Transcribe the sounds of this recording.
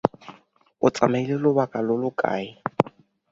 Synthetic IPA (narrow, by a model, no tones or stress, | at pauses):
ʊt͡sʼamailelʊbakʼalʊlʊkʼa̰ːɪ